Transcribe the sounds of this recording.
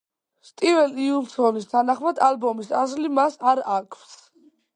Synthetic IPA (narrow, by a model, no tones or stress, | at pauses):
st̪ʼivɛliulˠsɔnist̪ʰanaχmad̪albɔmisazlimasaɾakʰfs